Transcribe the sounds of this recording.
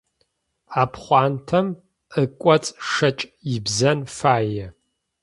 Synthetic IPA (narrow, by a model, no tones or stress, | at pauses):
aːpʰχʷɑːntʰɐm | əkʷʼɔt͡sʼʂɐt͡ʃʼjɪbzɐnfaːjɛ